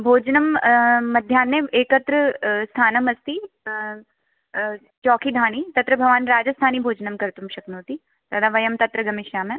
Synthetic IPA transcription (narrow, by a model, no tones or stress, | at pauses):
bʱoːd͡ʒnɐmːɐd̪ʱjaːnːeeːkɐt̪ɾəst̪ʰaːnɐmɐst̪i | t͡ʃɔːkʰid̪ʱaːɽ̃it̪ɐt̪ɾəbʱɐʋaːnɾaːd͡ʒɐst̪ʰaːnibʱoːd͡ʒnɐmkɐɾt̪umʃɐknoːt̪i | t̪ɐd̪aʋɐjɐmt̪ɐt̪ɾɐɡɐmɪʃjaːmẽ